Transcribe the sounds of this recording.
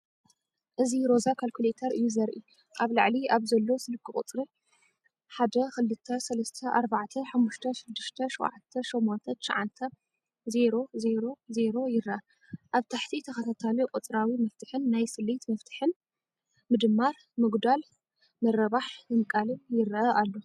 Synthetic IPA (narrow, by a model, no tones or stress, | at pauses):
ʔɨziɾo̞zakʰalkʰulet̪ʰɐɾʔɨjːuzɐɾʔḭ | ʔaβla̰ʕliaβzɐlːo̞sɨlɨkʰːɨχʼɨt̪ʼɾi | ħad̪ɐxɨlːɨt̪ʰːɐsɐlɐst̪ʰɐʔaɾbaʕt̪ʰɐħamːuʃt̪ʰɐʃɪd̪ːɨʃt̪ʰɐʃowʕat̪ʰːɐʃomːont̪ʰɐt̪ʰɨ̥ʃʕant̪ʰɐ | ze̞ɾo̞ze̞ɾo̞ze̞ɾo̞jɪɾɐʔɐ | ʔaβt̪ʰaħt̪ʰit̪ʰɐkɐt̪ʰat̪ʰalikʼɨt̪ʼɨɾawimɐft̪ʰɨħɨnːajsɨlːit̪mɐft̪ʰɨ̥ħɨn | mɨd̪ɨmːaɾ | mɨɡd̪al | mɐɾɐβaħnɨmkʼalɨnjɪɾʔɐʔalːo̞